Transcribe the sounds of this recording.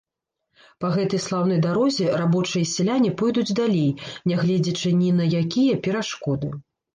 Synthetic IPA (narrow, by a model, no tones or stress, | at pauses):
pɐɣɛt̪ɐjslˠawn̪ɔjd̪aɾɔzʲɛrabɔt͡ʂɨjɐsʲɛlʲanʲipɔjd̪ud͡zʲd̪alʲejnʲɛɣlʲɛd͡zʲɐt͡ʂɨnʲinɐjakʲijɐpʲɛɾaʂkɔd̪ɨ